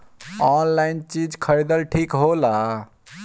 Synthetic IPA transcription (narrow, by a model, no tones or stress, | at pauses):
ɔnlaint͡ʃid͡ʒkʰəɾid̪əlʈʰikɦola